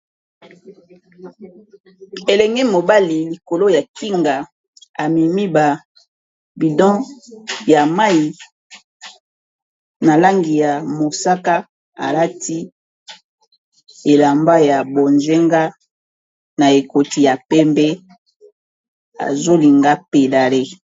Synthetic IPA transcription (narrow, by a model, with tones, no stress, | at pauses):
e˨lɛ˨ŋɡɛ˦mo˨ba˦li˨li˨ko˨lo˦ja˨ki˦ŋɡa˨ | a˨mi˨mi˦ba˨ | bi˨dɔ̃˦ja˨ma˦i˨ | na˨la˦ŋɡi˨ja˨mo˨sa˦ka˦ | a̰˨la˦ti˦ | e˨la˨mba˦ja˨bo˨nze˦ŋɡa˦ | na˨e˨ko˨ti˨ja˨pɛ˦mbɛ˦ | a̰˨zo˦li˨ŋɡa˦pe˨la˨le˦